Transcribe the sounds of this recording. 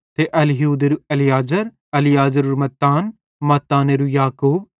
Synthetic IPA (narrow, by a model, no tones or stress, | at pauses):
t̪eʔɐlɦuːd̪eɾuɐlijaːd͡ʒəɾ | ɐlijaːzəɾuɾmɐt̪ːaːn | mɐt̪ːaːneɾujaːkuːb